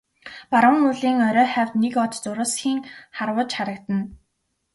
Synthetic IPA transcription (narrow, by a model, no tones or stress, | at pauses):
paɾə̆ŋuɮiːŋœɾʲœːχæwʲt̪nekɔt͡ɕt͡sʊɾʊːsxiːŋχarwə̆ːt͡ɕχaɾə̆kt̪ə̆n